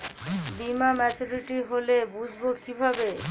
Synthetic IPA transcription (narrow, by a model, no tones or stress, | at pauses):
bimamɛt͡ɕuɾiʈiɦolebud͡ʑʱbokibʱabe